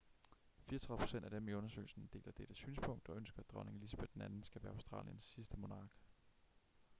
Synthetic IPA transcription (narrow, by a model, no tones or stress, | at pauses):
fiːɐt͡sʰʁɑðˠpʰo̝sen̰d̥æɐd̥emeɔ̽nɐsø̰ːl̩sn̩d̥e̝̰ːlɐd̥eɾ̥əsyːnspʰɔ̽ŋ̰d̥ɒ̽ønsɡ̥ɐæd̥ʁɒne̝ŋ̩lisæb̥ed̥d̥enænn̩sɡ̥æʋæːɐɑ̈ʊsd̥ʁɑ̰̈ːljənsːisd̥əmo̝nɑ̈ːɡ̥